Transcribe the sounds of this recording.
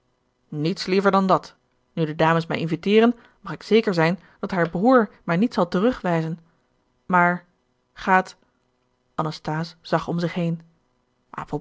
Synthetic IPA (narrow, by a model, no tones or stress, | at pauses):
nitslivəɹdɑndɑt | nydədaːməsmɛ̰jʔɪnvitɪːʁən | mɑχɪksejkəɹzɛjn | d̥ɑtɦaːɹbruːɹmaːɹnitsɑlˠtərɵχʋɛjzən | maːɹ | χaːt | ʔɑnɑstaːsz̥ɑχɔmzɪχɦejn | ʔɑ̰po